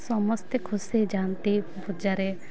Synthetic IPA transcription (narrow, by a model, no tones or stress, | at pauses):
sɔməst̪kʰʊsed͡ʒaːnt̪i | bʱʊd͡ʒaɾe